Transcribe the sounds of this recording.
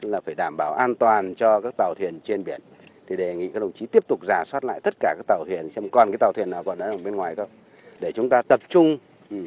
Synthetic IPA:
laː˨˩faː˧˩jɗaː˧˩mɓaː˧˩wʔaː˧nt̪waː˨˩nt͡ɕɔ˧kaː˦˥k̚t̪aː˨˩wt̪ʰi˨˩ənt͡ɕe˧nɓi˧˩ən | t̪ʰi˨˩ɗe˨˩ŋḭ˧˨kːaː˦˥kɗə˨˩ŋ͡mt͡ɕi˨˦t̪i˦˥əp̚t̪ʊ˨˩k͡p̚zaː˨˩swaː˦˥t̚la̰ː˧˨jt̪ə˦˥t̚kaː˧˩kaː˦˥k̚t̪aː˨˩wt̪ʰi˨˩ənsɛ˧mkɔ˨˩nkaː˨˦jt̪aː˨˩t̪i˨˩ənːaː˨˩wkɔ˨˩nɗə˨˦ɗə˨˧˩ɓe˧nŋwaː˨˩jkə˧w | ɗe˧˩t͡ɕʊ˨˦ŋ͡mt̪aː˧t̪ə˨˩p̚t͡ɕʊ˧ŋ͡m | i˨˩

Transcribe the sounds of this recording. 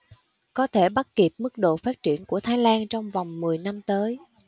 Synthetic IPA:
kɔ˨˦t̪ʰe˧˩ɓa˦˥t̚ki˨˩əp̚mɨ˦˥k̚ɗo̰˧˨faː˦˥t̚t͡ɕi˧˩ənku˧˩ət̪ʰaː˨˦jlaː˧nt͡ɕɔ˧wŋ͡mva˨˩wŋ͡mmɨ˨˩əjna˧mt̪əː˨˦j

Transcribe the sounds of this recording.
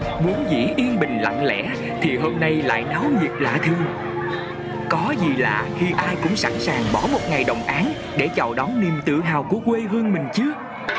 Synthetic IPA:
vu˨˦nzḭ˧˥ʔi˧ənɓï˨˩ŋ̟la̰˧˨ŋlɛ̰˧˥ | t̪ʰi˨˩ɦo˧mna˧jla̰ː˧˨jna˨˦wzi˨˩ət̚la̰ː˧˨t̪ʰɨ˧əŋ | kɔ˨˦zi˨˩laː˧˨˩xi˧ʔaː˧jkʊ̰˧˥ŋ͡msa˧˩nsaː˨˩ŋɓɔ˧˩mo˨˩t̚ŋa˨˩jɗə˨˩wŋ͡mʔaː˨˦n | ɗe˧˩t͡ɕɔ˨˩wɗɔ˨˦ni˨˩əmt̪ɨ̰˧˨əɦaː˨˩wku˧˩əkwe˧ɣɨ˧əŋmï˨˩ŋ̟t͡ɕɨ˦˥ək̚

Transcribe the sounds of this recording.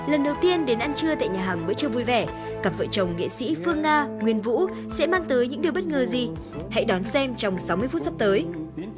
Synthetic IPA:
lə˨˩nɗə˨˩wt̪i˧ənɗe˨˦nʔa˧nt͡ɕɨ˧ət̪a̰ː˧˨jɲaː˨˩ɦaː˨˩ŋɓəː˧˥˦jt͡ɕɨ˧əvu˧jvɛ˧˩ | kaː˧˩p̚və̰ː˧˨t͡ɕə˨˩wŋ͡mŋḛ˧˨sḭ˧˥fɨ˧əŋːaː˧ŋwi˨˩ənvṵ˧˥ | sɛ̰˧˥maː˧ŋt̪əː˨˦jɲɨ̰˧˥ŋɗi˨˩əwɓə˦˥t̚ŋəː˨˩zi˨˩ | ha̰˧˥jɗɔ˨˦nsɛ˧mt͡ɕɔ˧wŋ͡msa˨˦wmɨ˧əjfu˦˥t̚sa˦˥p̚t̪əː˨˦j

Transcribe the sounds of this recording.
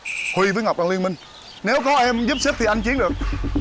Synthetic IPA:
hwi˧vəː˨˦jŋa˨˩k͡p̚ɗaː˧li˧ənmï˧ŋ | ne˨˦wkɔ˨˦ʔɛ˧mzɨ˦˥p̚sə˦˥k̚t̪ʰi˨˩ʔa˧ŋt͡ɕi˨˦nɗɨ˨˩ək̚

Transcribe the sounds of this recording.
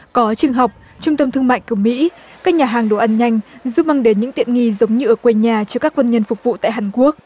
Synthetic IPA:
kɔ˨˦t͡ɕɨ˨˩əŋɦa˨˩wk͡p̚ | t͡ɕʊ˧ŋ͡mt̪ə˧mt̪ʰɨ˧əŋma̰ː˧˨jku˧˩mḭ˧˥ | kaː˦˥k̚ɲaː˨˩ɦaː˨˩ŋɗo˨˩ʔa˧nɲa˧jŋ̟zu˦˥p̚ma˧ŋɗe˨˦nɲɨ̰˧˥ŋt̪ḭ˧˨ənŋi˧zə˨˦wŋ͡mɲɨ˧ʔəː˧˩kwe˧ɲaː˨˩t͡ɕɔ˧kaː˦˥kːwə˧nɲə˧nfʊ˨˩k͡p̚vṵ˧˨t̪a̰ː˧˨jɦaː˨˩nku˦˥ək̚

